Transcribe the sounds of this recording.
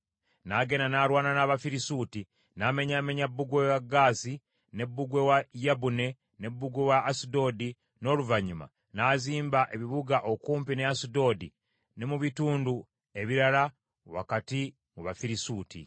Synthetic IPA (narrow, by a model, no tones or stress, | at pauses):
naɡe̞nanaɾwaːnanaβafiɾisuti | name̞ɲameɲabuɡwewaɡaːsi | ne̞bːuɡwe̞wajabune̞ | ne̞bːuɡwewaʔːsido̞di | no̞ːluvaɲuma̰ | naːziːmbaʔeβiβuɡaʔokuːmpineasido̞di | nemuβituːndu | e̞βiɾala | wa̰kati | muβafiɾisuːtḭ